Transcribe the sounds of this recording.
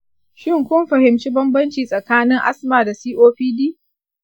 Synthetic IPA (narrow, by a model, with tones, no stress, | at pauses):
ʃɪ˦ŋkʷʊ˦mɸɐ˨hɪ˨mt͡ʃi˦bɐ˦mbɐ˦nt͡ʃiː˨sʼɐ˨kaː˦nɪ˦ŋʔa̰˦smaː˨da˨siː˦ʔoː˦ɸiː˦diː˦